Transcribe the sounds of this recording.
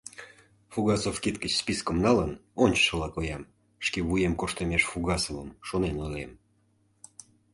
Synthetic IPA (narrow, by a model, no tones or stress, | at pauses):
fuɣɑsofkit̪kət͡ɕspiskəmnɑlənonʲt͡ɕʃəlɑkojɑm | ʃkeβujemkoʃt̪əmʲeʃfuɣɑsovə̰mʃonenolʲḛm